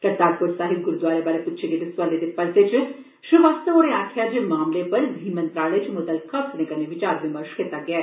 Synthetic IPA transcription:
kɐt̪aːɡpʊɾsaːɦɪt̪̚ɡʊɾud̪waːɾebaːɾepʊtːʃʰed̪ed̪ɪsʋaled̪epɐɾset͡ʃ | ʃʊʋaːst̪əoːɾeaːkʰɪjad͡ʒemaːmlepɐɾd̪ʱiːmə̃nt̪ɾaːlet͡ʃmʊd̪əlkʰɐknẽkɐneʋɪt͡ʃaːɾʋɪməɾʃkit̪aɡɪɛː

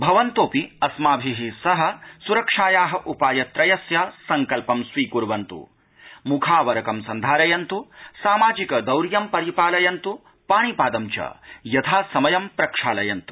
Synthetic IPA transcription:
bʱɐʋɐnt̪oːpiɐsmaːbʱiɦisɐɦɐ̆suɾɐkʂaːjaːɦɐʔupaːjɐt̪ɾɐjɐsjasɐŋkɐlpɐmsʋiːkuɾʋɐnt̪ṵ | mukʰaːʋɐɾɐkɐmsɐnd̪ʱaːɾɐjɐnt̪usaːmaːd͡ʒikɐd̪ɐwɾjɐmpɐɾipaːlɐjɐnt̪u | paːɳipaːd̪ɐmt͡ʃɐ̰jɐt̪ʰaːsɐmɐjɐmpɾɐkʂaːlɐjɐnt̪u̥

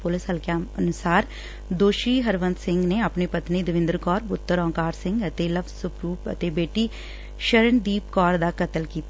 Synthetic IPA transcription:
pʊlɪsɦəlkjaːənʊsaːɾ | d̪oːʃiːɦəɾʋə̃nt̪sɪ̃ŋɡneəpnipət̪nid̪əʋɪ̃nd̪əɾkɔːɾpʊt̪ːəɾɔ̃ːŋkaːɾsɪ̃ŋɡət̪eləbzsʊpɾuːpə̰t̪eːbeːʈi | ʃəɾəɳd̪iːp̚kɔːɾd̪aːkət̪əlkiːt̪a

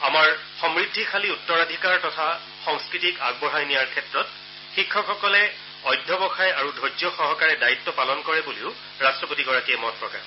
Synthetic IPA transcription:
amaɹxɔmɹidʱːikʰaliutːɔɹadʱikaɹtɔtʰa | xɔŋskɹitikaɡ̚bɔɦajnijaɹkʰɛtɹɔt̚ | xikʰːɔxɔkɔlɛ | ɔjdʱːɔbɔxajaɹudʱojd͡ʒɔxɔɦɔkaɹɛdaitːɔpalɔnkɔɹɛbuliʊ | ɹastɹɔpotiɡɔɹakiɛmɔt̚pɹɔka̰ɹ

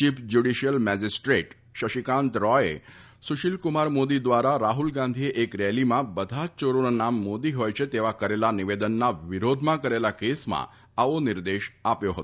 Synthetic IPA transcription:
t͡ʃifd͡ʒuɖiʃijəlmɛd͡ʒisʈɾeʈ | ʃəʃikãnt̪ɾɔḛ | suʃilkumaɾmod̪id̪ʋaɾaɾaɦulɡãnd̪ʱieʔekɾɛlimãbəd̪ʱat͡ʃoɾonanamːod̪iɦojt͡ʃʰet̪eʋakəɾelaniʋed̪ənːaʋiɾod̪ʱmãkəɾelakesmã̰ | aʋonɪɾd̪eʃapjoɦə̰t̪o

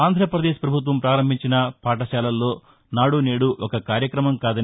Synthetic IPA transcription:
aːnd̪ʱɾɐpɾɐd̪eːʃpɾɐbʱut̪̬ʋɐmpɾaːɾɐmbʱiɲt͡ʃinɐpaːʈɐʃaːlɐlːo̞ː | naːɽuneːɽuʔɔkɐkaːɾjɐkɾɐmɐmkaːd̪ɐn

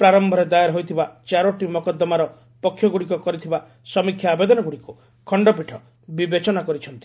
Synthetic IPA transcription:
pɾaɾɔmbʱɔɾed̪ajaɾɦojt̪ʰibat͡ʃaɾoʈimɔkɔd̪ːɔmaɾɔ | pɔkʰːjɔɡuɽikɔkɔɾit̪ʰiba | sɔmikʰjaːbed̪ɔnɔɡuɽiku | kʰɔɳɖɔpiʈʰɔ | bibet͡ʃɔnakɔɾit͡ʃʰɔnt̪i̥

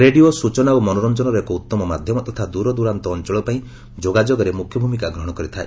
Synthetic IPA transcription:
ɾeɖiosut͡ʃɔnaomɔnɔɾɔnd͡ʒɔnɔɾekout̪ːɔmɔmad̪ʱjɔmɔt̪ɔt̪ʰad̪uɾɔd̪uɾant̪ɔːnt͡ʃɔɭɔpaĩ | d͡ʒoɡad͡ʒoɡɔɾemukʰjɔbʱumikaɡɾɔɦɔɽ̃ɔkɔɾit̪ʰae

